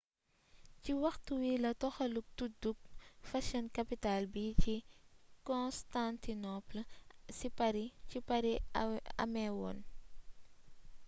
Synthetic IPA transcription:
ciwɐxtuwilɐtɔxɐluk̚tuduk̚fɐʃɐnkɐpitalbicikɔnstantinɔplsipɐɾicipɐɾiɐ̰mɛwɔ̰n

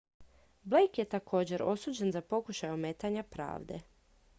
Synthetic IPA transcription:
blejkje̞t̪akʰo̞ːd͡ʑe̞ɾo̞̰suːd͡ʑe̞nzapo̞kuʃajeomeːt̪aɲapɾa̰ːʋd̪e̞̰

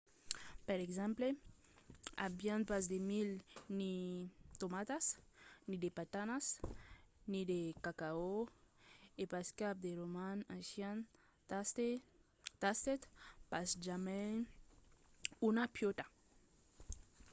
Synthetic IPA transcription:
peɾekzɛ̃mple | a̰bjanpasd̪emilnit̪omat̪asnid̪epat̪anas | nid̪ekakao | epaskap̚d̪eɾomanãsjan | t̪ | t̪ast̪et̪pasd͡ʒamɛ̃ŋ | unapjot̪ḁ

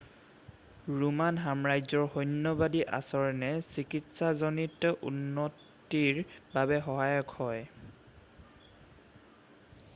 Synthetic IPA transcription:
ɹumanɦamɹajzɔɹhɔjnːɔbadiʔa̰sɔɹnɛsikitsazɔnitʔṵnːɔ | tiɹbabɛɦɔɦajɔkhɔj

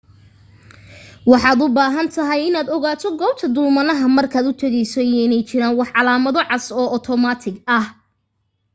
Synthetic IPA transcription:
wɑħɑːd̪ʊbaːɦɐnt̪ʰɐɦɛjɪnaːd̪ɔɣaːt̪ʰɔɡɔːb̚t̪ʰɐd̪ʊlmɐnɐɦɐmɐrkʰaːd̪ʊt̪ʰɛɣɛjsɔɛɪnɛjt͡ʃɪɾaːnwɑħʕɑlaːmɐðɔʕɑsɔːʔɔt̪ʰɔmaːt̪ʰɪɡɐh

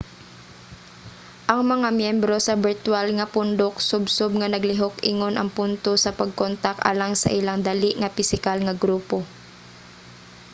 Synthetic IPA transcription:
ʔɐŋmɐŋamjɛmbɾo̞sɐbɪɹt̪walŋɐpʊnd̪oksʊbsʊb̚ŋɐnɐɡlɪɦokʔɪŋonʔɐŋpʊnt̪osɐpɐɡ̚kont̪akʔa̰laŋsɐ̰ʔɪlaŋd̪ɐliʔŋɐpɪsɪkalŋɐɡɾuːpo̞

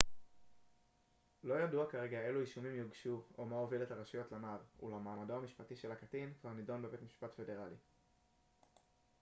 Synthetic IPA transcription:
lo̞jaduakaʁe̞ɡae̞luiʃumimjoɡʃuomaoviletaʁaʃujo̞tlamaʁṵlamaːmadoamiʃpatiʃe̞lakatinkvaʁnido̞nbe̞be̞tmiʃpatfe̞de̞ʁali

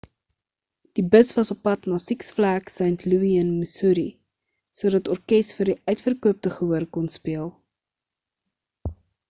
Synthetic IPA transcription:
d̥ibəsvɐsɔpːɐtnɑːsiksflæksɛntʰluiənməsuɾi | suəɾdɐtɔrkɛstfərdiʔœɥtfərkuəp̚təχəuəɾkɔnspiəlˠ

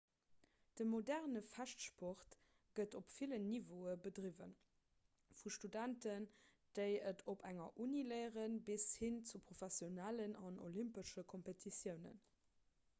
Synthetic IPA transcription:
d̥əmodæʁnəfæʃtʃpɔχt | ɡ̥ətopfilənːivoəbədʁivə̰n | fuʃtudæntən | d̥əɪətʰopʰæŋɐʔuniləɪəʁənbishint͡supʁofæsjonælənɑno̰limpəʃəkʰompetʰisjəʊnə̰n

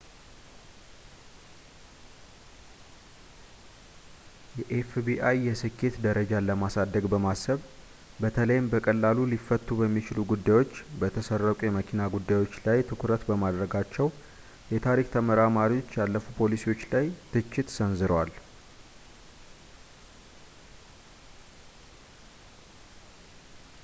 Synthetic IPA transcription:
jɛʔefbiʔajːɛsɨkʰːe̞t̪d̪əɾəd͡ʒaləmasad̪ːəɡbəmasːəβ | bət̪ʰələjɪmbəkʼəlːalulifːət̪ʰːubəmːit͡ʃɪluɡud̪ːajwo̞t͡ʃːbət̪ʰəsərːəkʷʼujɛməkʰinaɡud̪ːajwo̞t͡ʃːlajt̪ʰɨkʰɾət̪bəmad̪ɾəɡat͡ʃːɛw | jɛt̪ʰaɾikt̪ʰəməɾamaɾio̞t͡ʃːjalːəfupʰo̞lisiwo̞t͡ʃːlajt̪ʰɨt͡ʃːɪt̪sənzɨɾwal

